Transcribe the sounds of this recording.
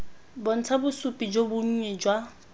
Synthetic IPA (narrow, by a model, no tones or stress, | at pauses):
bɔn̩t͡sʰabʊsupʼid͡ʒobʊɲ̩ɲɛd͡ʒwa